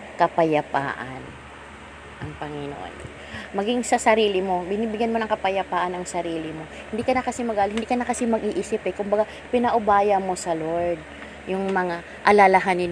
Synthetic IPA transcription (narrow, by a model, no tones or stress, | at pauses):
kɐpɐjɐpa̰ːʔɐ̰n | ʔɐŋpɐŋɪno̰ʔo̰n | mɐɡiŋsɐsɐɾiːlɪmo̞bɪniːbɪɡjanmo̞nɐŋkɐpɐjɐpaːʔɐnɐŋsɐɾiːlɪmo̞hɪ̃nd̪iːkɐnɐkɐsimɐɡaːlɪɪnd̪ikɐnɐkɐsɪmɐɡʔiːʔiːsɪpɛkʊmbɐɡa | pɪnɐʔʊbaːjɐmo̞sɐloɹd̪̚ | jʊŋmɐŋa | ʔɐlalaɦanɪn